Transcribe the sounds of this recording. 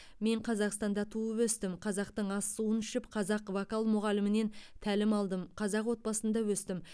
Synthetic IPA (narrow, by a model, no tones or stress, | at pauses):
me̞ɴqʰɑzɑqst̪ɑnd̪ɑt̪ʰuəwɵst̪ɪmqʰɑzɑqt̪əɴɑsːuənʏʃɪpqʰɑzɑqvokalˠmʊʁɑlɪmɪne̞nt̪ʰælɪmɑlˠd̪əmqʰɑzɑqwo̞t̪̚bɑsənd̪ɑwɵst̪ɪm